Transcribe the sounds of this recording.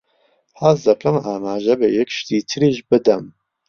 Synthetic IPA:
hazd̪ɐkʰɐmaːmaːʒɐbɨjɛkʃt̪iːt̪ʰɨɾiʒbɨd̪ɛm

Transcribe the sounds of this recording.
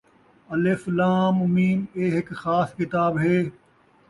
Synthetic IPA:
ɐlɪflãːmʊmiːmeːɦɪkxaːskɪt̪aːbɦeː

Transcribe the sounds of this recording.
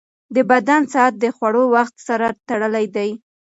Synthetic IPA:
d̪əbad̪ansaat̪̚d̪əxwaɽowaxt̪saɾat̪aɽəlajd̪aj

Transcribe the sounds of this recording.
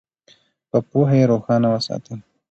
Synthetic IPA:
pəpoɦajeɾoxɑnawəsɑ̰t̪əl

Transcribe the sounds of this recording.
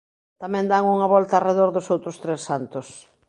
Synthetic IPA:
t̪amɛ̃nd̪aŋuŋɐβɔlt̪areðoɾðʊsowt̪ɾʊst̪ɾesːant̪ʊs

